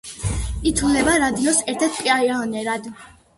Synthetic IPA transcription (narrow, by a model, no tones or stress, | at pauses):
it̪ʰulɛbaɾad̪iɔsɛɾt̪ʰɛɾt̪̚ʰpʼiaianɛɾad̪